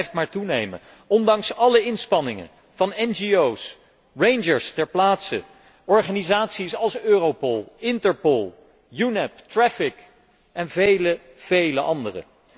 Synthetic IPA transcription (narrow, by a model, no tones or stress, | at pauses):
jftmaːɹtunejmə̰ | ɔndɑŋsɑləɪnspɑnɪŋə̰ | v̥ɑnɛnd͡ʒiows | ɹejnd͡ʒəɹstɛɹplaːtsə | ɔɹχaːnizaːtsisɑlˠsøːrowpɔlˠɪntəɹpoɔlˠ | junɛptrɛfɪk | ʔɛnvejlə | v̥ejləʔɑndərə̰